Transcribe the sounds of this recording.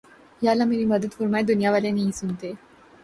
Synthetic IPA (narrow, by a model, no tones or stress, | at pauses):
jalamiɾiməd̪ət̪kuɾmajd̪unijaʋalenaɦisunt̪e